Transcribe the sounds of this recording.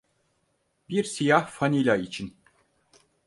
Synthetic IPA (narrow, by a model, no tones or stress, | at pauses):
biɾsijahfanilʲait͡ʃʰin